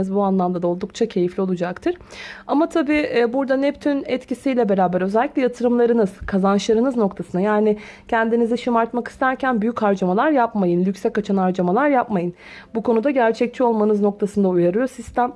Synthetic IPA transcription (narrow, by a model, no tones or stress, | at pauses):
ɯzbuanlˠamd̪ad̪ao̞lˠd̪uk̚t͡ʃʰacʰe̞jiflʲio̞lˠud͡ʒakt̪ʰɯɾ̥amat̪ʰabiːʔɛbuɾd̪anɛpt̪ʰynɛt̪cisijlʲɛbe̞ɾaːbæɾø̞zɛlʲːicʲlʲɛjat̪ʰɯɾɯmlˠaɾɯnɯz̥kʰazanʃlˠaɾɯnɯzno̞kt̪ʰasɯnajaːnɪ | cʰɛnd̪iniziʃimaɾt̪maki̥st̪ʰæɾcʰænbyjychaɾd͡ʒamalˠaɾjapmajɯnlʲycsɛkat͡ʃʰanaɾd͡ʒamalˠaɾjapmajɯn | bukʰo̞nud̪aɟæɾt͡ʃʰɛc̚t͡ʃʰio̞lˠmanɯzno̞k̚t̪ʰasɯnd̪aujaɾɯjo̞sist̪ʰæm